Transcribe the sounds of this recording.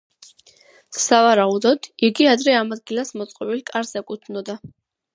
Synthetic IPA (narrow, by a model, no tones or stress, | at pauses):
savaɾaud̪ɔd̪̥iɡiad̪ɾɛamad̪̚ɡilasmɔt̪sʼqʼɔbilkʼaɾzɛkʼut̪ʰnɔd̪a